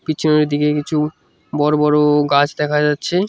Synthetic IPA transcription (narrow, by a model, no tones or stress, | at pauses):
piːt͡ɕʰuneɾd̪ikekit͡ɕʰu | bɔɾobɔɾoɡat͡ɕd̪ɛkʰad͡ʑatːɕʰe